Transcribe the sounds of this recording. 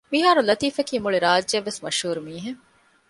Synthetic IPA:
miɦaːɾulɐt̪iːfekiːmuɭiɾaːd͡ʒːɐʋːesmɐʃhuːɾumiːɦeŋ

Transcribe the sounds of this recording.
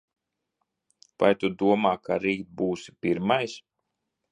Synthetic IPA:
va̰jt̪ud̪uɔmaːkaɾiːt̪̚buːsi̥piɾmajs

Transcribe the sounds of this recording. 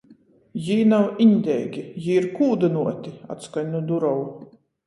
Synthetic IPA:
jiːnawiɲʲd̪ʲɛjɡʲijiːɾkuːd̪ɨnuɔt̪ʲia̰t̪skaɲʲnud̪uɾɔw

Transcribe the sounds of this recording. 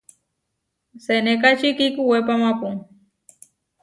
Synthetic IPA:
senekat͡ʃikikuwepamapuŋ

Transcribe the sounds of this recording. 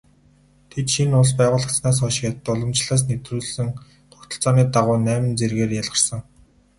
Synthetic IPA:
t̪ʰet̪ʃinʊɮspæːʁʊːɮə̆xt͡snaːs̬χɔʃɪ̥̆kjat̪ə̆t̪ːʊɮɞ̆mt͡ɕɮaːs̬net̪ruːɮsɘ̆ŋ | χʊkt̪ə̆ɬt͡sɔːniːt̪aʁʊːnæːmɘ̆nt͡serɣeːrjaɮʁ̥ə̆rsə̆ŋ

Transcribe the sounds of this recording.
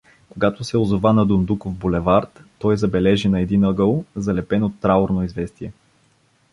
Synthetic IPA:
koɡat̪ʊsɛozovanɐd̪ʊnd̪ukofbolɛvaɾt̪ːɔjzɐbɛlɛʒinɐɛd̪inəɡəlˠzɐlɛpɛnot̪ːɾaoɾnoizvɛst̪iɛ

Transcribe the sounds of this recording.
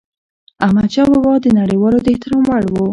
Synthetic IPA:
amat͡ʃɑbabɑd̪ənaɽewɑlod̪əɪht̪ɪɾɑmwaɽwo

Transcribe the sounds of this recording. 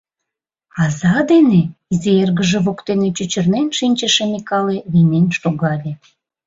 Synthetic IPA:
ɑzɑd̪eneizeerɣəʒeβokt̪enet͡ɕut͡ɕərnenʃinʲt͡ɕəʃemekɑleβinenʃoɣɑlʲe

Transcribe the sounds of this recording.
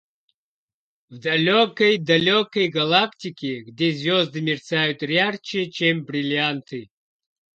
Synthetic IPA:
vd̪ɐlʲokəjd̪ɐlʲokəjɡɐlˠaktʲikʲɪɡdʲezʲvʲɔzd̪ɨmʲɪrt̪sajʊt̪ɾʲart͡ɕɪt͡ɕembɾʲɪlʲant̪ɨ

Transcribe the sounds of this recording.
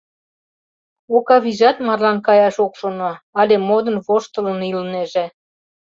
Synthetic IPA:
okɑβiʒɑt̪mɑrlɑnkɑjɑʃokʃonoɑlʲemod̪ənβoʃt̪ə̆lənilneʒe

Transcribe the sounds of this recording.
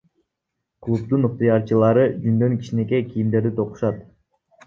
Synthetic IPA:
klˠup̚t̪unuq̚t̪jɑɾt͡ʃɯlˠɑɾɯd͡ʒynd̪ø̞ŋki̥ʃine̞k̬e̞kʲijimd̪e̞ɾd̪it̪ʰo̞qu̥ʃɑt̪

